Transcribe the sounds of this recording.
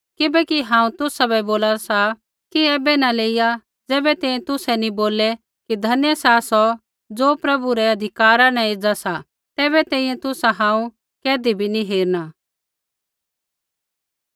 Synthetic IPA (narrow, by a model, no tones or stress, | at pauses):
kɪbɛkiɦãːũt̪ʊsabɛboːlasa | kiɛːbɛnaleːija | d͡zɛːbɛt̪ɛ̃ːĩɛ̃t̪ʊsɛnĩboːlɛ | kid̪ʱɐnjəsaːsɔ | d͡zoːpɾɐbuɾɛɐd̪ʱɪkaːɾanãeːd͡zasa | t̪ɛːβɛt̪ɛ̃ːĩjɛ̃t̪ʊsaɦãːũ | kɛːd̪ibʱinĩɦeːɾna